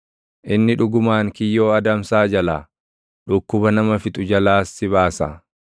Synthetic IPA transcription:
ʔɪnːɪᶑʊɡʊmaːŋkɪjːoːɐd̪ɐmsaːd͡ʒɐlaː | ᶑʊkːʊbɐnɐmɐfɪt̪ʼʊd͡ʒɐlaːsːɪβaːsa̰ː

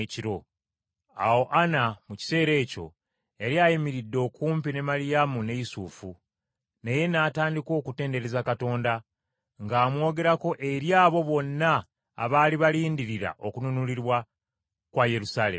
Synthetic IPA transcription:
ciɾo̞ | a̰wo̞ʔanamuci̥se̞ːɾe̞ːco̞̰ | e̞ɾjajimiɾidːo̞ːkuːmpine̞malijamune̞jisufu | neje̞naːtaːndiko̞ːkute̞ːnde̞ɾe̞zakato̞ːnda | ŋɡaːmwo̞ːɡe̞ɾako̞ʔe̞ɾjaːβo̞βo̞nːa̰ː | βaːliβaliːndiɾiɾa̰ʔo̞kununuliɾwa | kwaje̞ɾusaːle

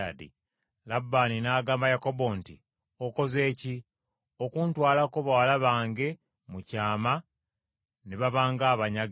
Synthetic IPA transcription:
adḭ | labːaːninaːɡaːmbajako̞bo̞ntḭ | oko̞ze̞ːci | okuːntwaːlakoβawalaβaːŋɡe̞ | mucaːma | neβaβaːŋɡaːβaɲa

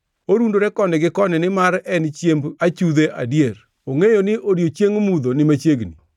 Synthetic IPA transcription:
oɾundoɾɛkɔnɪɡɪkɔnɪnɪmaɾɛnt͡ʃjembat͡ʃuðeʔa̰djeɾ | oŋejonɪʔoɾjot͡ʃjeŋmud̪onɪmat͡ʃjeɡni

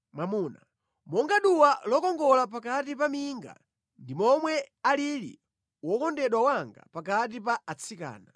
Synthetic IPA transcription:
mamuːna | mɔŋɡaɗuwalɔkɔŋɡɔlap̬akatipamiŋɡa̰ | ndimɔmwɛalilḭ | wɔkɔndɛɗwawaŋɡa̰pakat̬ipaːt͡sʰika̰ːna

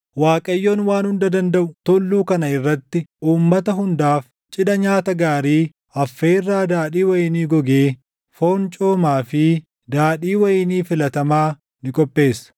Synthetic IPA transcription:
waːkʼɐjːoːnwaːnhʊnd̪ɐd̪ɐnd̪ɐʔʊt̪ɔlːuːkɐnɐɪrːɐt̪ːɪuːmːɐt̪ɐɦʊnd̪aːf | t͡ʃʼɪᶑɐɲaːt̪ɐɡaːɾiː | ɐfːeːrːaːd̪aːᶑiːwɐjɪniːɡɔɡe̞ː | fo̞ːnt͡ʃʼo̞ːmaːfɪ | d̪aːᶑiːwɐjɪniːfɪlɐt̪ɐmaː | nɪkʼɔpʼːe̞ːsɐ̥

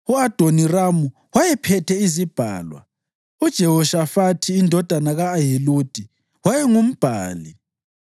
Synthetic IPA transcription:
uad̥ʱoniramu | wajɛpʰɛtʰɛizib̥ʱa̰ːlwa̰ | ud̥ʒ̥ʱɛɦɔʃafatʰiːndʱɔd̥ʱanaɣaːɦilud̥ʱi | wajɛŋum̩b̥ʱaːli

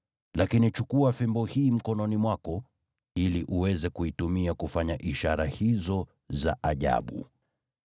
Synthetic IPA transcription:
lakinit͡ʃukuafɛmbɔhiːm̩kɔnɔnimwakɔ | iliʔuwɛzɛkuitumiakufaɲaʔiʃaɾahizɔ | za̰ʔaʄa̰ɓṵ

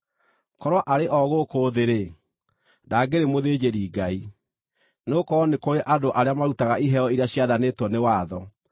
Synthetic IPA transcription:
kɔɾwaʔaɾeʔɔɣokoːðeɾe | daːɡeɾemoðeːd͡ʑeɾiːɡai | nokɔnekoɾeʔadoʔaɾeamaɾutaɣaiɦɛɔiɾeaɕiaðaneːtwɔnewaːðɔ

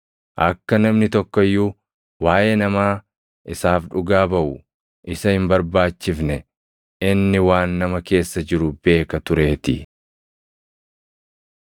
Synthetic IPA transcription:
ʔɐkːɐnɐmnɪt̪ɔkːɔjːu | waːjenɐmaː | ʔɪsaːfᶑʊɡaːbɐʔʊ | ʔɪsɐhɪmbɐɾbaːt͡ʃːɪfnɛ | ɪnːɪwaːnːɐmɐke̞ːsːɐd͡ʒɪɾʊbe̞ːkɐt̪ʊɾe̞ːt̪ɪ

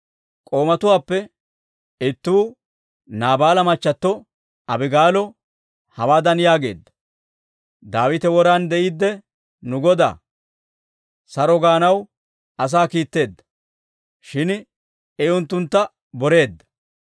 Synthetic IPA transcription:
kʼo̞ːmɐt̪ʊwaːpːɛ | ɪt̪ːuː | naːbaːlɐmɐt͡ʃːɐt̪ːɔ | ɐbɪɡaːlɔ | hɐwaːd̪ɐnjaːɡe̞̰ːd̪ːɐ̥ | d̪aːwɪt̪ɛwɔɾaːnd̪ɛʔiːd̪ːɛ | nʊɡɔd̪a̰ː | sɐɾɔɡaːnɐw | ɐs̬aːkiːt̪ːe̞ːd̪ːɐ̥ | ʃɪn | ɛʊnt̪ːʊnt̪ːɐ | bɔɾe̞ːd̪ːɐ̥

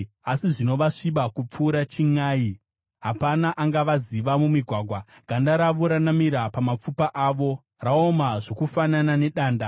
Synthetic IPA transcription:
asiʐino̞ʋaʂiɓakup͡fuːɾat͡ʃiŋaːi | ɦapanaʔaŋɡaʋaziʋamumiɡʱwaːɡʱwaɡ̥ʱandaɾaʋuɾanamiɾapamap͡fupaʔaʋo̞ | raomaʐo̞kufananane̞ɗaːnda

